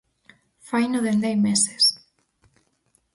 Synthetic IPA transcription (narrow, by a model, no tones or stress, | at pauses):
fajnoðend̪ajmese̥s